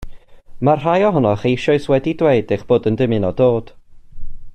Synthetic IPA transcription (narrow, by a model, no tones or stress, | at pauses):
marrajɔɦɔnɔχejʃɔɨswɛdidweɨdeχb̥oːdəndɪmɨnɔdoːd̥